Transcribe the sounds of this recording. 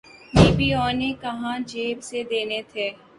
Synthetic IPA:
iːbiːɔːnekɐɦãd͡ʒeːbsed̪eːnet̪ʰeː

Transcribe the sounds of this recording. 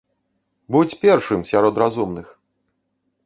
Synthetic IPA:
but͡sʲpʲɛrʂɨmsʲaɾɔt̪ɾazumnɨx

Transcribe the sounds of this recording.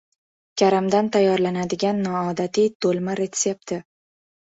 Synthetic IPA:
kʲʰaɾamd̪ant̪ʰajːɒɾlanad̪ɪɡʲanːɒːd̪at̪id̪olˠmaɾet̪sep̚t̪ʰɪ

